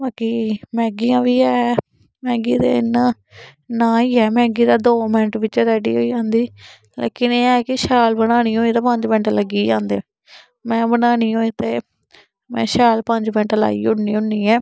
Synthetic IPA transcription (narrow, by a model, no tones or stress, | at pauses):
baːkiːmɛ̃ːɡijãːʋiːɛː | mɛ̃ːɡiːd̪ḛːɪn | nãːiːɛːmɛ̃ːɡiːd̪aːd̪oːmɪnəʈʋɪt͡ʃɾɛːɖḭːɦo̰ːiːd͡ʒãːnd̪iː | lḛːkɪneːɛːkɪʃɛːlbəɽaːñiːũːɪt̪aːpəɲd͡ʒbɛ̃ɳʈləɡiːd͡ʒãːnd̪ḛː | mɛ̃ːbənaːniːõːɪt̪eː | mɛ̰̃ːʃɛːlpəɲd͡ʒbɛ̃ɳʈla̰ːḭːʊɽniːʊːiːɛː